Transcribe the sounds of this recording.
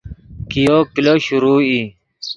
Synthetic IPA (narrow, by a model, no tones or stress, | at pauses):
kijokiloɕuɾuːi